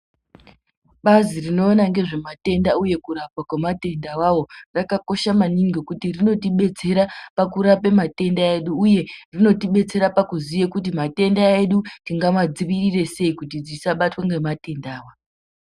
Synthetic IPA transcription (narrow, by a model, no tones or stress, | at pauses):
ɓazirino̞ːnaŋɡe̞ʐe̞mate̞ndauje̞kuɾapwakwemate̞ndawawo̞rakako̞ʃamaniŋɡekutirino̞tiɓe̞t͡se̞ɾapakuɾape̞mate̞ndaeɗuːje̞rino̞tiɓe̞t͡se̞ɾapakuzijekut̬imate̞ndae̞ɗutiŋɡamad͡ziʋirire̞se̞ikut̬id͡zisaɓatwaŋɡemate̞ndaːwa